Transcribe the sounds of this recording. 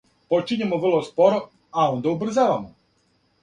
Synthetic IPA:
pot͡ʃiɲimoʋr̩lˠospoɾo | aond̪aubr̩zaːʋamo

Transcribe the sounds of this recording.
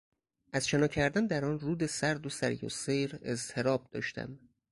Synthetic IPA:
ʔæzʃenɒːcʰæɾd̪ænd̪æɾɒːnruːd̪e̞sæɾd̪osæɾjo̰sejɾe̞̰zt̪ʰe̞ɾɒːb̚d̪ɒ̰ːʃt̪ʰæ̰m

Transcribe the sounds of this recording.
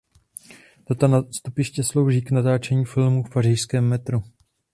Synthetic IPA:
d̥̪at̪anast̪upɪʃcɛslo̞wʒiːknat̪aːt͡ʃɛɲiːfɪlmufparɪʃskɛːmːɛt̪ɾu

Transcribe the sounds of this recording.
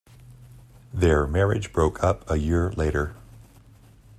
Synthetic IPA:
ðə˞mɛɹɪd͡ʒbɹoʊkʰʌpʰəjɪɹleɪɾə˞

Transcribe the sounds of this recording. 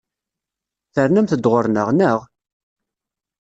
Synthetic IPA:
θəɾnæmθəd̪ʁəɾnəʁnəʁ

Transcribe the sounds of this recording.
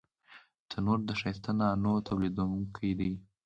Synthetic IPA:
t͡sənoɾd̪əʃajst̪ananot̪awlid̪aŋkʰajd̪i

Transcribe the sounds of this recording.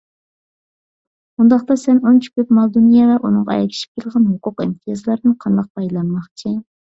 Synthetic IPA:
und̪ɑχt̪ɑsɛnont͡ʃʰy̥kʲøpmɑlˠd̪unijɑvɛʔunɨŋʁɑɛ̰jɛ̰kʲʰi̥ʃi̥p̚kʲʰelˠʁɑnɦʊqʊqḭmt̪ʰijɑzlˠɑɾd̪ɪnqʰɑnd̪ɑq̚pɑjlˠɑnmɑχt͡ʃʰi

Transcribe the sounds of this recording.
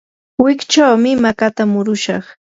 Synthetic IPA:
wɪkt͡ʃawmɪmakat̪amʊɾʊʃɑ̰χ

